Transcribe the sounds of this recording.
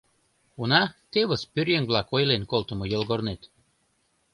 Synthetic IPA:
unɑt̪eβəspyrjeŋβlɑkojlenkolt̪ə̆mojəlɣornet̪

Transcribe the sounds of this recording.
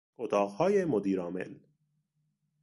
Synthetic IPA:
ot̪ʰɒːqhɒːjemod̪iːɾɒːmḛn

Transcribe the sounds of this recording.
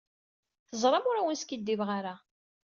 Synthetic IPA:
θəzˤɾˤɑmʊɾawənskid̪ːivʁaɾa

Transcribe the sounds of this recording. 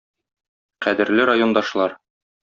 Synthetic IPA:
qæd̪ɘ̆ɾlɘɾajo̞nd̪ɑʃlˠɑɾ

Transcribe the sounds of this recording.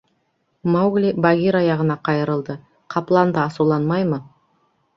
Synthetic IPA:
mawɡlʲibɑɡʲiɾɑjɑʁənɑqʰɑjəɾəlˠd̪ə | qʰɑplˠɑnd̪əɑsulˠɑnmɑjmə

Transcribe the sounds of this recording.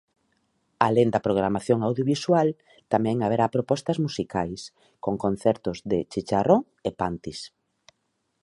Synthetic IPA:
alend̪ɐpɾoɣ̞ɾamaθjoŋawðjoβiswal | t̪amɛ̃ŋaβeɾapɾopɔst̪ɐzmusikajs | koŋkon̟θɛɾt̪ʊzðet͡ʃit͡ʃaroŋ | epant̪is

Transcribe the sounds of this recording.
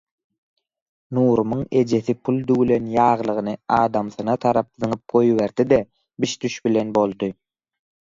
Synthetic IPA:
nuːɾumuŋe̞d͡ʒe̞θipʰulˠd̪ywle̞njɑːʁlˠɯʁɯnɯɑːd̪ɑmθɯnɑt̪ʰɑɾɑp̚ðɯŋɯp̚ɡ̥o̞jβe̞ɾd̪id̪e | biʃd̪yʃbile̞nbo̞lˠd̪ɯ

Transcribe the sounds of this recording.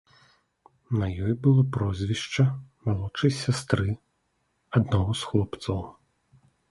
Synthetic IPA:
nɐjɔjbɨlˠɔpɾɔzʲvʲiʂt͡ʂɐmalˠɔt͡ʂɐjsʲast̪ɾɨ | ad̪naɣɔsxlˠɔpt̪sɐw

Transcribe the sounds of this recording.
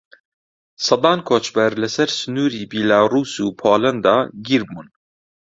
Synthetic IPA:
sɑd̪ɑːnkʰoːt͡ʃbɛɾlɛsɛɾsɨnuːɾiːbiːlaːruːsuːpʰoːlɛnd̪ɑːɡiɾbun

